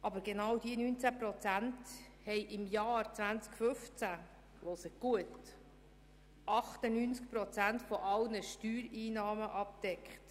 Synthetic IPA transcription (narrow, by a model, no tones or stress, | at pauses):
ʔɑbəɾɡenɑwd̥iənynt͡sæpɾɔt͡sænt | hɛjʔɪmjɑːɾt͡sʋænt͡skfɵft͡sæ | losəɡ̥uət | ʔɑχt̪ənynt͡sk̚pɾɔt͡sæntfɔʔɑlnəʃtyːɾiːnɑːməʔɑp̚d̥ɛkχt